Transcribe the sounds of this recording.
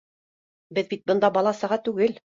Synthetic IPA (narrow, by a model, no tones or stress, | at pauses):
bɘðbit̪̚bɤ̆nd̪ɑbɑlˠɑsɤɑʁɑt̪ːʉɡɘl